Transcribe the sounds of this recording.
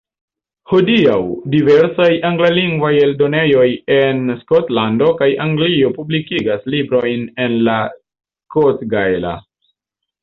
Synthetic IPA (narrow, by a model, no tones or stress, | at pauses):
ho̞diawdive̞ɾsajʔaŋɡlaliŋɡvaje̞ldo̞ne̞jo̞je̞nskotlando̞kajʔaŋɡlio̞publikiɡaslibɾo̞jne̞nla | sskotɡaela̰